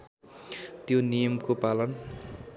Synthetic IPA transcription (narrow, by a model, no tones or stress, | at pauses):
t̪jonijʌmkopalʌn